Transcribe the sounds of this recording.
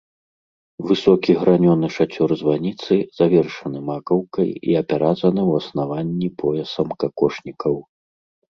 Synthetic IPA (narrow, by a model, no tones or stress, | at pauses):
vɨsɔkʲiɣɾanʲɔnɨʂat͡sʲɔrzvanʲit̪sɨz̥avʲɛrʂɐnɨmakɐwkɐjḭɐpʲɛɾad̪zɐnɨwɐsnavanʲːipʰɔjɛsɐmkakɔʂnʲikɐw